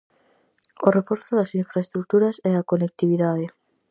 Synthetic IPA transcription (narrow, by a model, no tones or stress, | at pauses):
orefoɾθoðasiɱfɾaest̪ɾuk̚t̪uɾasɛakonek̚t̪iβiðaðe